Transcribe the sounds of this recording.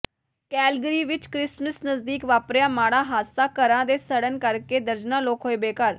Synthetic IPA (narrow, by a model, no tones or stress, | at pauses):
kɛːlɡəɾiːʋɪt͡ʃkɾɪsməsnəzd̪iːkʋaːpɾjãːmaːɽaːɦaːsaːkəɾãːd̪eːsəɽənkəɾkeːd̪əɾd͡ʒnãːloːkɦoːeːbeːkəɾ